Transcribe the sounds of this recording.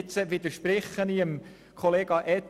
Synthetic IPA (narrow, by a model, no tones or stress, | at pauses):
t͡səʋɪd̪əʃpɾɪχːəniəm | kʰoleːɡ̥ɑʔɛt